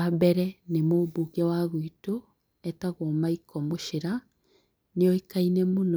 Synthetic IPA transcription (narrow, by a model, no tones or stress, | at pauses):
abɛɾɛnemoːbuɣɛwaɣwito | ɛtaɣwɔmaikʰɔmoʃeɾa | neɔikainɛmon